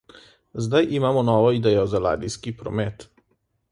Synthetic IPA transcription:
zd̪ajʔimaːmɔnɔːʋɔid̪ɛːjɔzala̰ːd̪iskipɾɔ̰mɛt̪

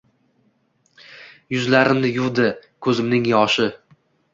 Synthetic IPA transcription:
jʊzlaɾɪmnɪjʊwd̪ɪkʰɵzɪmnɪŋjɒʃɪ

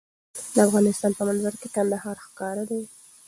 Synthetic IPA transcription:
d̪əafɣɑnɪst̪ɑnpəmanzaɾkekand̪ahɑɾxkɑɾəlaw

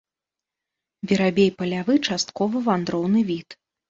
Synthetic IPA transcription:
bʲiɾabʲejpɐlʲavɨt͡ʂast̪kɔvɐvand̪ɾɔwnɨvʲit̪

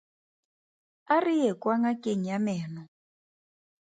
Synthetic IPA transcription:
arijɛkʼwaŋakʼeŋ̩jamɛːnɔ

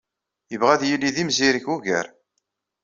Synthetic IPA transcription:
jəvʁæðjilːiðimziɾçuʝə̰ɾ

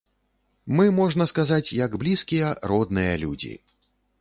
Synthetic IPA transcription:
mɨmɔʐnɐskazat͡sʲjɐɡblʲiskʲijɛrɔd̪nɨjɐlʲud͡zʲḭ

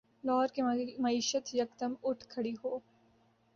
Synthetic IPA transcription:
lɔːɾkemɐiːʃət̪jɐkt̪əmʊʈʰkʰɐɽiɦoː

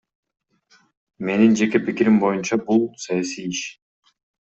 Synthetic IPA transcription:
me̞nind͡ʒe̞ke̞pikiɾimbo̞junt͡ʃɑbulˠsajasijiʃ

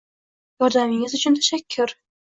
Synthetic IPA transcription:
jɒɾd̪amɪŋɪzʊt͡ʃʰʊnt̪ʰḁʃakʲʰːʊɾ

